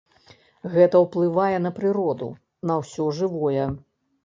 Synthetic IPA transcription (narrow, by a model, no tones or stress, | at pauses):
ɣɛt̪ɐwplˠɨvajɛnɐpɾɨɾɔd̪ṵ | nɐwsʲɔʐɨvɔjɛ